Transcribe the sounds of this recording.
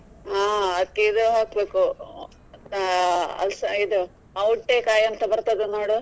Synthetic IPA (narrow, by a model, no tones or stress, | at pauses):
aːɐd̪ɐkːeid̪uɦaːkbeːku | ɐ̰lsɐid̪u | ɐwuʈːekaːjɐnt̪ɐbɐɾt̪ɐd̪enoːɽu